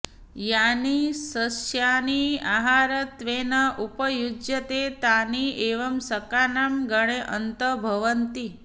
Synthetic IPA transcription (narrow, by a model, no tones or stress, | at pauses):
janisəsjaniaːɦaɾət̪ʋenɐʔupəjud͡ʒjət̪et̪anieːʋɐmsəkanamɡəɽ̃eʔənt̪əbʱɐʋənt̪i